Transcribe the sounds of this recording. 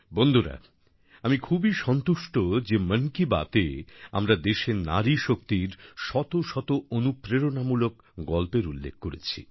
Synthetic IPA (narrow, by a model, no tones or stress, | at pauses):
bond̪ʱoɾa̰ | amikʰubiʃɔnt̪uʃʈod͡ʑemənkiba̰t̪ea̰mɾad̪eʃena̰ɾiʃok̚t̪iɾʃɔt̪oʃɔt̪oonupɾeɾonamulok | ɡɔlpeɾulːḛk̚ʰkoɾḛt͡ɕʰḭ